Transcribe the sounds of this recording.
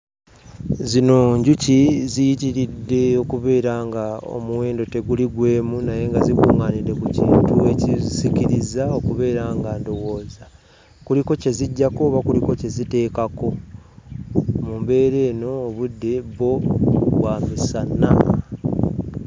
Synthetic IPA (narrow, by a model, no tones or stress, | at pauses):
zino̞ɲɟucizijitiɾidːe̞o̞kuβe̞ːɾaŋɡao̰muweːndo̞te̞ɡuliɡwe̞ːmunaje̞ŋɡazikuːŋaːnidːe̞kucḭːntue̞cizikiɾizao̞kuβe̞ːɾaŋɡando̞wo̞ːza | kuliko̞ce̞ziɟːakoːβakuliko̞ce̞zite̞ːkako̞ | mumbe̞ːɾe̞ːno̞ːβudːe̞βo̞βwamisanːa̰